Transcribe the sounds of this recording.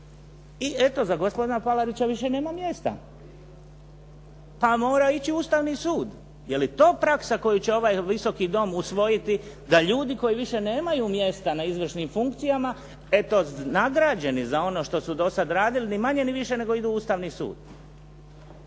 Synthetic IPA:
iʔe̞t̪o̞zaɡospo̞d̪inapalaɾit͡ɕaʋiʃe̞ne̞ːmamje̞st̪a̰ | pamo̞ːɾait͡ɕiuːst̪aʋnisuːd̪ | je̞lit̪o̞ːpɾaksako̞jut͡ɕeo̞ʋaːjʋiso̞kid̪o̞musʋo̞jit̪i | d̪aʎuːd̪iko̞jiʋiʃe̞ne̞ːmajuːmje̞st̪anaizʋr̩ʃnimfuŋkt̪sijama | e̞t̪o̞naɡɾad͡ʑe̞nizao̞no̞ʃt̪o̞sud̪o̞sad̪ɾaːd̪ilinimaɲe̞niʋiʃe̞ne̞ɡo̞id̪uːuːst̪aʋnisṵːd̪̥

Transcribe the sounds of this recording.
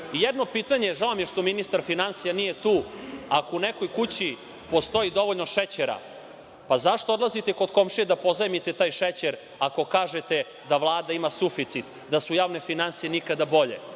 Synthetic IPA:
ijɛd̪no̞piːt̪aɲeʒaomjeʃt̪o̞minist̪aɾfinansijanijet̪uːako̞uneko̞jkut͡ɕi | po̞st̪o̞id̪o̞ʋo̞ʎno̞ʃet͡ɕeɾa̰ | pazaʃt̪ood̪lazit̪eko̞d̪komʃied̪apo̞zamit̪et̪aːjʃet͡ɕeɾ | ako̞kaːʒet̪e | d̪aʋlˠaːd̪aimasufit̪sit̪ | d̪asujaːʋne̞finansijenikad̪abo̞ʎḛ

